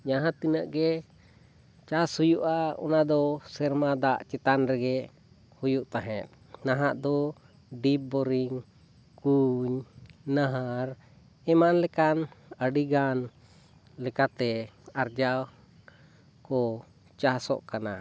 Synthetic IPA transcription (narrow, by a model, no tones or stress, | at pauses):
d͡ʒaɦãt̪inəʔɡɛ | t͡ʃashujuʔaɔ̰nad̪ɔsɛɾmad̪aʔt͡ʃɛt̪anɾɛɡɛʔ | hujuʔt̪aɦɛ̃t̪̚ | naɦaʔd̪ɔ | ɖip̚bɔɾiŋ | kuɲnaɦaɾ | ɛmanlɛkanəɖiɡan | lɛkat̪ɛaɾd͡ʒa | kɔ | t͡ʃasɔ̰ʔkana̰